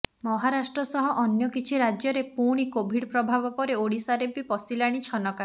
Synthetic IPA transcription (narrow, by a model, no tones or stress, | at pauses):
mɔɦaɾasʈɾɔsɔɦɔʔɔnjɔkit͡ʃʰiɾad͡ʒjɔɾepuɽ̃ikobʱiɽpɾɔbʱabɔpɔɾeoɽisaɾebipɔsilaɽ̃it͡ʃʰɔnɔka